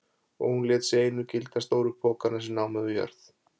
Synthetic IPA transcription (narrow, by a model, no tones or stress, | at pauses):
ɔ̰ɣhunlɛːt̪seːjnʏcɪlt̪ast̪oːwɾʏkʰoːkanasɛmnaːwmɛðʏjœ̰ɾθ